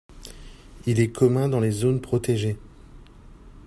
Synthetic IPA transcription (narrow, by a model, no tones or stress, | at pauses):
ilɛkʰɔmɛ̃d̪ɑ̃lezonpχɔt̪eʒe